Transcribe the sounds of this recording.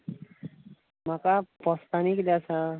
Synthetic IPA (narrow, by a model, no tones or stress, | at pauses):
makapʌst̪aniklat͡sʰʌ